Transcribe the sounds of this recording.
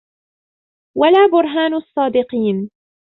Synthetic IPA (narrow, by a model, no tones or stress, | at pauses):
walaːbʊɾˤɦaːnɑsˤːɑːd̪ɪqiːn